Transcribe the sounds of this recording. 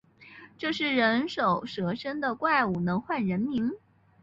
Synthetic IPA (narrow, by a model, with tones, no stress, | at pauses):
ʈ͡ʂɤ˥˧ʂɻ̩˥˩ɻə˧˥nʂo˨˩ʊʂɤ˧˥ʂə˥nd̪ə˨kwa˥˩ɪu˨˩nɤ˧˥ŋxwa˥˩nɻə˧˥nmi˧˥n